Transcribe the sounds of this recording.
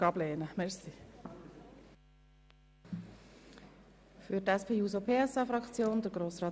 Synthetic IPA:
ɑblɛːnəmɛsi | fyɾtɛspʰeːuːzopʰeːɛsɑːfɾɑkt͡sjoːnd̪əɾɡɾoːsɾɑː

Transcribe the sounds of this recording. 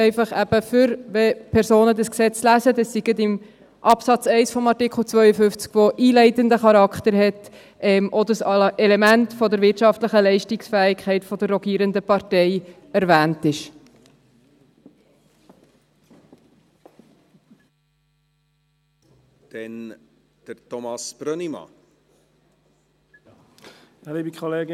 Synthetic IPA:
ɛɪfɑχæb̥əfʏɾʋɛpʰɛɾsoːnəd̪əsksɛt͡slæzəd̪ɑsːiɡətɪm | ʔɑpsɑt͡sɛɪsfɔmɑɾtɪkʰl̩ˠt͡sʋœʏəfʏft͡skfoʔiːlɛɪtənd̪əχɑɾɑkχt̪əɾɦɛt | ɛmʔɔd̪əsɛlɛmæntfɔd̪əɾʋɪtʃɑftləχəlɛɪʃtɪksfæːɪkʰχɛɪtfɔd̥̪əɾːɔɡiːɾənd̪əpɑɾtɛɪ | æɾvæːntɪʃ | d̪̥ɛn | d̥əɾtɔmɑsb̥ɾœnimɑ̰ | liːbikʰɔleːɡ

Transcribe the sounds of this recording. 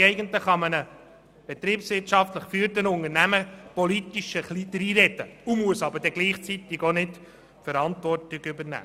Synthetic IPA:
ɛɪɡəntləχɑmənə | b̥ɛt̪ɾiːpsʋɪɾtʃɑftləχfyːəɾtənʊŋəɾnæməpɔlit̪iʃəχlid̪ɾiːɾɛt̪əumuəsɑbəɾd̥ɛɡliːχt͡sit̪ːɪɡonɪt | fəɾɑntvɔrtɪɡʏbəɾnæ̰ː

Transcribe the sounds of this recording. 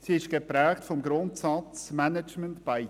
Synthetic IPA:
siɪʃɡ̥epɾɛːktfɔmɡɾʊntsɑt͡smænɛd͡ʒməntb̥aɪ

